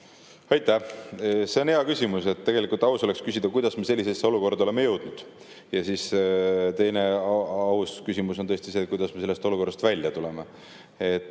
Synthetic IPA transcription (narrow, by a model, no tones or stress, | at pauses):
ɑjt̪ːˑæ | se̞o̞neɑkysʲimuse̞t̪ːe̞ɡe̞likˑult̪ːˑɑusole̞kskysʲid̪̥ɑkujd̪̥ɑsme̞se̞lːise̞sːeo̞luko̞rd̪ɑoe̞me̞jɤwd̪̥nud̪̥ | jɑsiːst̪e̞jne̞ɑuskysimuso̞nt̪ɤst̪iseːt̪̚kujd̪̥ɑsme̞se̞lːe̞st̪o̞luko̞rːɑst̪vælʲjɑt̪ule̞me | et̪ː